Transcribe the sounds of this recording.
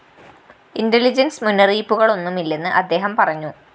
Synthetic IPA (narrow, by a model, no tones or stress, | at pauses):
indelid͡ʑɐnsmunːɐriːpːuɣɐɭo̞nːumilːe̞nːɨʔɐd̪ːe̞ːɦɐmpɐrɐɲːu